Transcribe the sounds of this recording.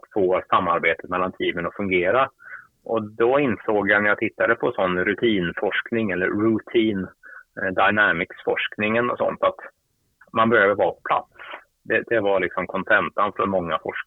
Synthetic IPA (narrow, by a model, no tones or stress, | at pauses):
foːsamːaɾbeːt̪ət̪mɛlːant̪ʰiːmənɔfɵŋɡeːɾa | ʔɔd̪ɔɪnsoːɡjanæjat̪ʰɪt̪ːad̪əpʰɔsɔnːɾɵt̪ʰiːnfɔʂknɪŋɛlːəɾːɵt̪ʰiːnd̪aɪnæmɪksfɔ̰ʂknɪŋənɔ̰sɔ̰nt̪at̪ | manbœɾjad̪əvɑːpʰɔ̥pʰla̰t̪s | d̪ɛd̪ɛvalɪksɔmkʰɔnsʰɛnt̪anfɔɾmɔŋːafɔ̰ʂ